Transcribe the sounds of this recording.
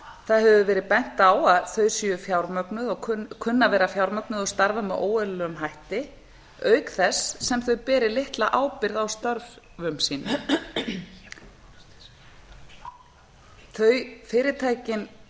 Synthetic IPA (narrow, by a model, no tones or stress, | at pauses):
θaðɦɛvðʏvɛːɾɪðpɛn̥t̪aːwaðθœɥsiʏfjawɾmœknʏðɔɣʰkʰʏnːavɛːɾafjawɾmœknʏðɔst̪aɾvamɛʔoːwɛlœʏmɦajht̪ɪ | œːɥkθɛsːɛmθœɥpɛːɾɪlɪht̪laʔaːwpɪɾðawst̪œɾv | vʏmsiːnʏ | θœɥfɪːɾɪt̪ʰaːjcɪn